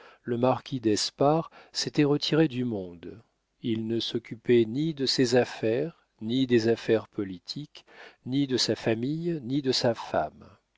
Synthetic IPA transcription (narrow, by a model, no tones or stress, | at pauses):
ləmaʁkʲʰid̪ɛspaʁset̪ɛʁət̪ʰiʁed̪ymɔ̃d̪ | ilnəsɔkʲypɛnid̪əsezafɛʁ | nid̪ezafɛʁpɔlit̪ʰiknid̪əsafamijnid̪əsafa̰m